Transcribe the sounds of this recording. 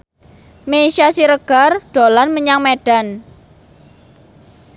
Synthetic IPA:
meiʃasiɾəɡ̥a̤rɖ̪̥o̤lanməɲaŋmeɖ̥a̤n

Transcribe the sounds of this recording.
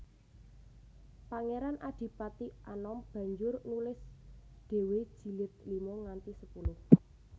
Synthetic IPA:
paŋeɾanʔad̪̥i̤pat̪iʔanɔmb̥ä̤ɲd͡ʒʊrnulɪsdɖ̥e̤we̥ʒ̥i̤lɪt̪̚limɔŋant̪isəpulʊh

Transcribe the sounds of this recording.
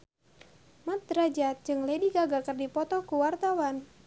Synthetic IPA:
mət̪̚ɾad͡ʒat̪̚d͡ʒɨŋlediɡaɡakərdipɔt̪ɔkuwart̪awan

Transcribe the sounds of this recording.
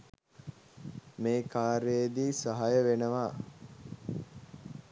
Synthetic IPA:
meːkaːɾejəd̪iːsəɦajəʋenəʋaː

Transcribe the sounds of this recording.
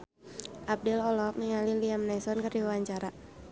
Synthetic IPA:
ʔab̚dɛlɔlɔk̚niŋaliliamnajsɔnkərdiawaɲt͡ʃaɾa

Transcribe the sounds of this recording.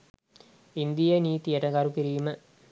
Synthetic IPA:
ind̪ijəniːt̪ijəʈəɡɐɾukiɾiːmə

